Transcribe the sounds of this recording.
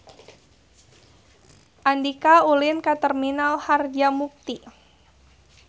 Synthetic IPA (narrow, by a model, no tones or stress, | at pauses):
ʔandikaulɪnkat̪ərminalharɡamuk̚t̪i